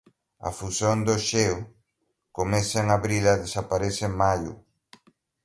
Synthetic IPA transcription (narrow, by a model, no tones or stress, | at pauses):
ɐ̰fusjond̪oʃew | komɛseeŋaβɾilaðesapaɾesɪmajʊ̰